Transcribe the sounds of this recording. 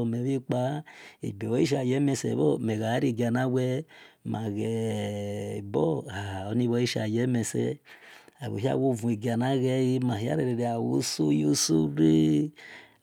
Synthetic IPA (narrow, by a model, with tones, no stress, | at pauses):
o˨mɛ˨βi˦k͡pa˦ḛ˨be˨o˦i˦ʃ̬a˨jɛ˨˦mɛ˧sɛ̰˨βɔ˦mɛ˨ɣa˨˦ɾi˦˨ɡa˨na˦wɛ˦ma˨ɣɛ˨ | bɔ˦a˨ho˨˦ni˦˧˦βɔ˧˦i˦ʃa̰˨jɛ˨˦mɛ˧sɛ̰˦ | a˨βo̰˨ɦi˦a̰˦˨wo˦˨vũ˨i˨ɡa˨na˦ɣɛ˦i˦ma˨hi˦a̰˦ɾe˨ɾe˨ɾe˨a˨wo˦so˦jo˦so˦ɾe˦